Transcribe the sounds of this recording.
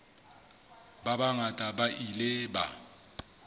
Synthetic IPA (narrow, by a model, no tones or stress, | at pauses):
babaŋatʼabaʔileba̰